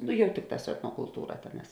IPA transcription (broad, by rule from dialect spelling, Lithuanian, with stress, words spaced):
nʊ ˈjɛʊ ˈtʲɪkˌtɑːs sʊ ɛtnoːkʊlˠˈtuːrɐ ˈtʲeːˌnɑːs